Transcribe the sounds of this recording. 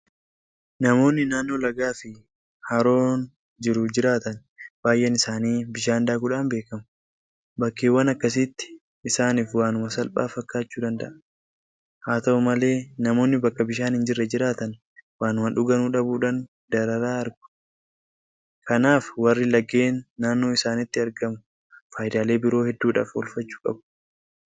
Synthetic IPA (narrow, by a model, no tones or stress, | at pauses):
nɐmo̞ːnːɪnaːnːo̞ːlɐɡaːfɪ | hɐɾo̞ːn | d͡ʒɪɾʊd͡ʒɪɾaːt̪ɐn | baːjʔɛnɪsaːniːbɪʃaːnd̪aːkʊᶑaːnbe̞ːkɐmʊ | bɐkːeːwɐnɐkːɐs̬iːt̪ːɪ̥ | ɪsaːniːfwaːnʊmɐsɐlpʼa̰ːfɐkːaːt͡ʃːuːd̪ɐnd̪ɐ̰ʔɐ | haːt̪ɐʊmɐle̞ːnɐmo̞ːnːɪbɐkːɐbɪʃaːnhɪnd͡ʒɪrːɛd͡ʒɪɾaːt̪ɐn | waːnʊmɐᶑʊɡɐnuːᶑɐbuːᶑaːn | d̪̥ɐɾɐɾaːɐɾɡʊ̥ | kɐnaːfwɐrːɪlɐɡe̞ːnːaːnːo̞ːɪsaːnɪt̪ːɪɐɾɡɐmʊ | faːjd̪aːleːbɪɾo̞ːhɛd̪ːuːᶑa̰ːfɔ̰lfɐt͡ʃːu̥ːkʼɐ̰bʊ̥